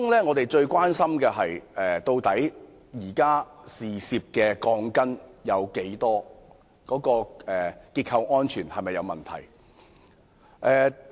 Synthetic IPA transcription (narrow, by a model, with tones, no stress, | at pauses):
kʊ˥ŋlɛː˥ŋɔː˨˧t̪e˨jt͡ʃɵ˧ɥkʷaː˥nsɐ˥mkɛː˧ɦɐ˨jɛː˨t̪o˧wt̪ɐ˨˥j | jiː˨˩kaː˥siː˨˩siː˧p̚kɛː˧kɔː˧ŋkɐ˥njɐ˨˧wke˨˥jt̪ɔː˥ | kɔː˨˥kɔː˧ɛː˨kiː˧t̚kʰɐ˧wŋɔː˥nt͡ʃʰyː˨˩nhɐ˨jmɐ˨jːɐ˨˧wmɐ˨˩nt̪ʰɐ̰˨˩j | ʔɛː˨˧